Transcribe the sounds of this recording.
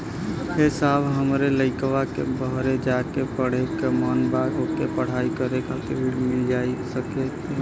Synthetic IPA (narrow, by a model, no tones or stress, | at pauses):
hesabɦəmɾeləɪkʋakḛbəɦɾed͡ʒakepəɽ̤ekemɔnbaɡɦokepəɽ̤aikəɾekat̪iɽmɪld͡ʒaisəke